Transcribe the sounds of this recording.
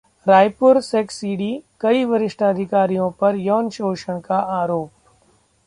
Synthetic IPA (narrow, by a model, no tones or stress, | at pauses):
ɾaːjpʊɾseksiːɖikɐiʋɐɾɪʃʈʰaɐd̪ʱɪkaːɾijõpɐɾjɔːnʃoːʃəɽ̃kaaːɾoːp̚